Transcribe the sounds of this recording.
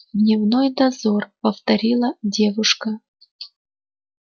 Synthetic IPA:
d̪nʲɪvnojd̪ɐzorpəft̪ɐɾʲilˠədʲe̞vʊʂkə

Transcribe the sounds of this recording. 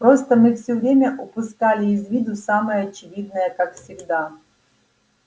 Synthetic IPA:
pɾost̪əmɨfsʲɵvɾʲemʲəʔʊpʊskalʲɪːzvʲid̪ʊsaməjəɐt͡ɕɪvʲid̪̚nəjəkakfsʲɪɡd̪a

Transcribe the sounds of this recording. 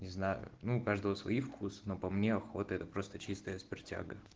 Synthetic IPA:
nʲɪznajʊ̰nuːkaʐd̪əvəsvɐ̰ifkʰusə̥nopɐmnʲeɐxo̞t̪əɛt̪əpɾo̞st̪ət͡ɕist̪əjəspʲɪrtʲa̰ɡə

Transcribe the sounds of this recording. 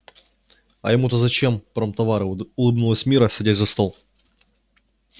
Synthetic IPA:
ɐ̰jɪmut̪əzɐt͡ɕempɾɐmt̪ɐvaɾɨʊlˠɨbnulˠəsʲmʲiɾəsʲɐdʲætʲzɐst̪olˠ

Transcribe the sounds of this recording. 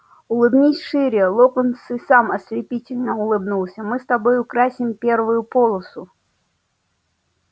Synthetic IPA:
ʊlˠɨbnʲisʲʂɨɾʲɪjəlˠokʊnsɨsamɐsʲlʲɪpʲitʲɪlʲnəʊlˠɨbnulˠsʲəmɨst̪abojʊkɾasʲɪmpʲervʊjʊpolˠəsʊ

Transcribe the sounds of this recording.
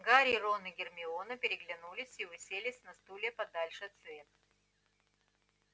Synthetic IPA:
ɡaɾʲɪːronɨɡʲɪrmʲɪonəpʲɪɾʲɪɡlʲɪnulʲɪsʲivɨsʲelʲɪsʲnɐst̪ulʲepɐd̪alʲʂɨt̪svʲet̪̚

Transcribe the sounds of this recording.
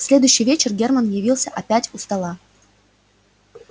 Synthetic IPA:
sʲlʲe̞d̪ʊjʏɕːɪjvʲet͡ɕɪrɡʲermənjɪvʲilˠsʲəʔɐpʲætʲʊst̪ɐlˠa

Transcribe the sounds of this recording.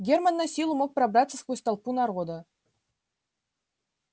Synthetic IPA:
ɡʲermanːɑsʲilˠumok̚prabrat̪səskusʲt̪ɑlˠpunɑrʁod̪ɤ̆

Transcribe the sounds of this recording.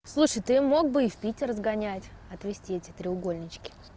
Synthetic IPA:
slˠuʂɨjt̪ɨmo̞ɡ̚bɨɪfʲpʲitʲɪrzɡɐnʲætʲɐt̪vʲɪsʲtʲietʲɪt̪ɾʲɪʊɡo̞lʲnʲɪt͡ɕkʲɪ̥

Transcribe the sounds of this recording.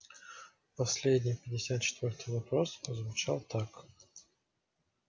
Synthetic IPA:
pɐsʲlʲed̪ʲnʲɪjpʲɪdʲɪsʲat̪̚t͡ɕɪ̥t̪vʲort̪ɨjvɐpɾospəzvʊt͡ɕalˠt̪ak

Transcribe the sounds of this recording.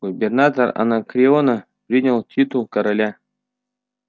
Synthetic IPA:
ɡ̥ubʲernat̪əra̰nakrʲionə | pɾʲinʲəlˠtʰʲit̪ulˠkoɾɐlʲa

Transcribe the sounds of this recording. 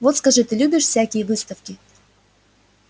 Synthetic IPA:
vot̪skɐʐɨt̪ɨlʲubʲɪʂfʲsʲakʲɪjəvɨst̪əfkʲɪ

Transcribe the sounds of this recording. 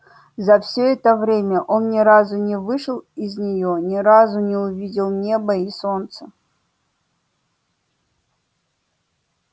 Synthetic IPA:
zɐfsʲoɛt̪əvɾʲemʲɐʔɔnnʲɪɾazʊnʲɪvɨʂɨlˠizʲnʲɪjɔnʲɪɾazʊnʲɪʊvʲidʲilˠnʲebɐisɔnt̪sə

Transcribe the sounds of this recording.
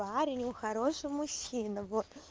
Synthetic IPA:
aɾʲɪnʲjʊxɐɾo̞ʂɨmʊɕʲinəvot̪

